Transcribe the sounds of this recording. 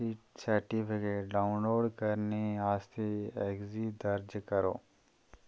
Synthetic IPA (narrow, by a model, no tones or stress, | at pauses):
iʈsəɾʈipʰɪkeːʈɖaːʊnloːɖkɐɾneaːst̪ʰeeɡzid̪ɐɾd͡ʒkəɾo̰ː